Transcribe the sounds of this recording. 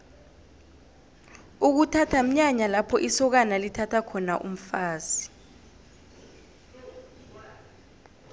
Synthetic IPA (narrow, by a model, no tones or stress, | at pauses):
uk̬utʰatʰam̩ɲaɲalapʰɔʔisɔk̬analitʰatʰakʰɔnaʔṵm̩faːzi